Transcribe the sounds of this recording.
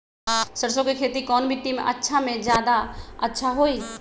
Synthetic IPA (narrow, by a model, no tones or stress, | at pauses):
səɾsõkekʰeːt̪ikɔːnbʱiʈimɐ̰tːʃʰamẽd͡ʒjaːd̪aətːʃʰaɦoi